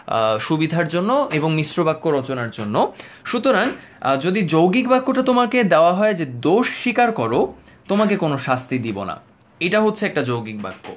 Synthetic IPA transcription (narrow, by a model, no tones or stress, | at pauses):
ʃubid̪ʱaɾd͡ʑonːoʔeboŋmiʃɾobakːoɾɔt͡ɕonaɾd͡ʑonːoʃut̪oɾaŋ | d͡ʑod̪id͡ʑowɡikbakːoʈat̪omaked̪eoaɦɔed͡ʑed̪oʃːikaɾkɔɾo | t̪omakekonoʃast̪id̪ibona̰ | eʈaɦot̪ːʰeɛk̚ʈad͡ʑowɡik̚ba̰kːo̰